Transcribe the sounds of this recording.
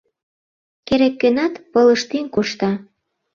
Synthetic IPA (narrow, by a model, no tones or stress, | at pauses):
keɾekːønɑt̪pɤ̆lə̆ʃt̪inkuʃt̪ɑ